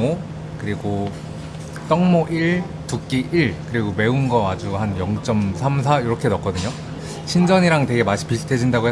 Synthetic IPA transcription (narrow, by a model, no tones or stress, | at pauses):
o | kɯɾiɡo | t͈ʌŋmoʔiɭ | tuk̚k͈iʔiɭkɯɾiɡome̞unɡʌad͡ʑuhanjʌŋt͡ɕ͈ʌmsʰamsʰaiɾʌkʰe̞nʌk͈ʌdɯɲo | ɕʰind͡ʑʌɲiɾaŋtwe̞ɡe̞maɕʰi̥pis͈ʰɯtʰe̞d͡ʑindaɡoɦe